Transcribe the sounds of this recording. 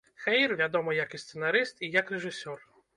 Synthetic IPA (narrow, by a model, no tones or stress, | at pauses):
xɛjrvʲad̪ɔmɔjɐkist̪sɛnaɾɨst̪ijɐkrɛʐɨsʲɔr